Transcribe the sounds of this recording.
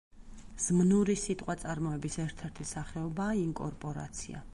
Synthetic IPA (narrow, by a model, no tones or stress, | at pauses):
z̥mnuɾisit̪ʼqʼwat̪sʼaɾmɔɛbisɛɾt̪ʰɛɾt̪ʰisaχɛɔbaːiŋkʼɔɾpʼɔɾa̰t̪sʰḭa̰